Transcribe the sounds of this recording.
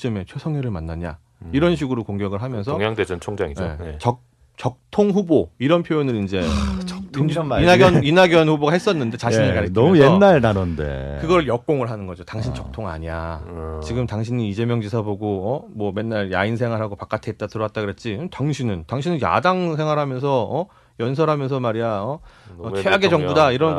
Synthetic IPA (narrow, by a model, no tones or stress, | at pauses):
t͡ɕɯme̞t͡ɕʰjesʰʌŋɦweɾɯɭmanːaɲa̰ | iɾʌnɕ̬ʰiɡɯɾokoŋɡjʌɡɯɭɦamjʌnsʰʌŋjaŋded͡ʑʌt͡ɕʰoŋd͡ʑaŋijoḛt͡ɕʌ | t͡ɕʌk̚tʰoŋɸuboiɾʌnpʰjojonɯɾind͡ʑe̞t͡ɕʰnaɡʌninaɡjʌnɸuboɡaɦe̞s͈ʌnːɯnde̞t͡ɕaɕinɯɭkaɾiʌmujenːaɭnanʌndḛkɯɡʌɾɯɭjʌk̚k͈oŋɯɭɦanɯnɡʌd͡ʑotaŋɕʰint͡ɕʌk̚tʰoŋa̰ɲia̰t͡ɕiɡɯmtaŋɕʰiɲiːd͡ʑe̞mjʌŋd͡ʑisʰaboɡoʌmwʌme̞nːaɭja̰insʰe̞ŋɦwaɾɦaɡopak͈atʰeet̚t͈atʰɯɾoat̚t͈aɡɯɾet̚t͡ɕ͈itaŋɕʰinɯntaŋɕʰinɯnja̰daŋs̬ʰe̞ŋwaɾɦamjʌnsʰʌʌ | jʌnsʰʌɾɦamjʌnsʰʌmaɾiaʌʌt͡ɕʰeaɡed͡ʑʌŋbudaiɾʌn